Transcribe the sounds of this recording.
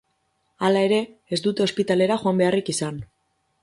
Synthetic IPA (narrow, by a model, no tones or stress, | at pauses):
alae̞ɾe̞ːzd̪ut̪e̞o̞spit̪ale̞ɾaxoambe̞arikisan